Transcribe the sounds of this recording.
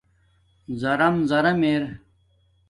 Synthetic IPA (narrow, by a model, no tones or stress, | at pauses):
zɐɾɐmzɐɾɐmeːɾ